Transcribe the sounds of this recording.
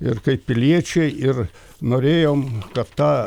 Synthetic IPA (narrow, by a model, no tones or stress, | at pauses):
ɪrkɐɪpʲɪlʲiɛt͡ʃʲɛɪɪr | noːɾʲeːjoːmkɐtt̪ɑː